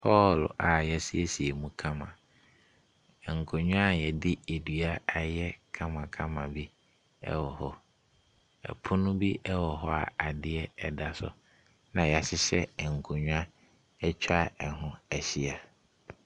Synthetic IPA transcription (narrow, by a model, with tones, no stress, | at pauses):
pʰɔ˦la˨jɛ˨si˦ɛ˦si˨e˨mũ˦kʰã˦mã̰˨ | ɛ˨ŋ̩˨kʰo˨ɲᶣʊ̃˦a˦jɛ˨dɪ˦e˨dɥa˦a˨jɛ˦kʰã˦mã˨kʰã˦mã˨bi˦ | ɛ̰˦wɔ˨hɔ˦ | ɛ̰˨pʰʊ˦nʊ̃˦bi˦ʔɛ˦wɔ˨ɦɔ˦a̰˨a˨dɪ˦ɛ˦ɛ˨da˦sʊ̰˨ | nã˨ja˨ɕɪ˦ɕɛ̰˦ɛ˨ŋ̩˨kʰo˨ɲᶣʊ̃˦a˦ | ɛ˦t͡ɕʰᶣa˦ɛ˨ɦʊ̃˦æ˨ɕi˦a˨